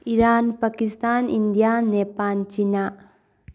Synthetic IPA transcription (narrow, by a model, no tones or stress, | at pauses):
iɾanpakistanindijanepalt͡ʃina